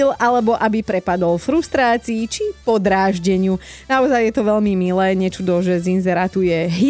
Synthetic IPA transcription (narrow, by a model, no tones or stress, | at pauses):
ilʔalɛbɔʔabipɾɛpad̪ɔlfɾust̪ɾaːt͡siːt͡ʃipɔd̪ɾaːʒɟɛɲɪunaɔzajːɛt̪ɔʋɛʎmimilɛːɲɛt͡ʃud̪ɔʒɛzinzɛɾat̪ujɛɦi